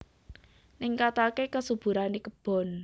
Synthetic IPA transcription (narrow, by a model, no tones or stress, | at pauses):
niŋkat̪akekəsub̥ṳɾanikəb̥ɔ̤n